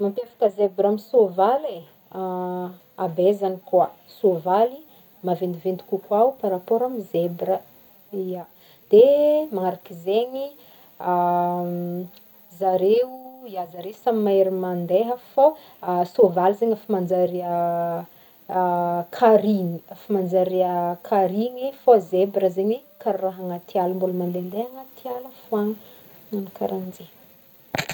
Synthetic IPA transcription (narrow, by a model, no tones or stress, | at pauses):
mampefḁkəzebɾamisovale | a | abezanikuasovali | mavend̪ivend̪i̥kukaupaɾapoɾamizebɾə | ia | d̪̥emaŋaɾakizeɲi | a | zaɾeuiazaɾeusamimaeɾimand̪eɦəfo | sovaluzeɲafimand͡zaɾiə | kʰaɾiɲiafamand͡zaɾiəkʰaɾiɲifozebɾəzeɲikaɾraɦaŋat̪ialəmbulumand̪end̪eɦaŋat̪ialəfuaŋi | nunikaɾand͡ʒe